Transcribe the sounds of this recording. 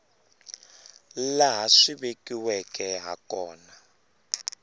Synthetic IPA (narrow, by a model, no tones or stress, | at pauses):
laɦaʂiβekiwɛkɛɦa̰kɔːna